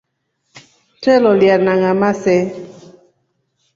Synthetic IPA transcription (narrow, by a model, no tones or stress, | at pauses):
t͡ʃɛlɔljanaŋamasɛ